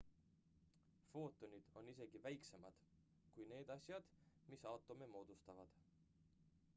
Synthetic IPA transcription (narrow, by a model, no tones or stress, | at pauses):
fo̞ːt̪ːˑo̞nʲid̪̥o̞nːise̞ɡivæjkse̞mɑd̪̥ | kujne̞ːd̪̥ɑsʲjɑd̪̥misɑwt̪ːˑo̞memo̞ːd̪̥ust̪ɑvɑd̪̥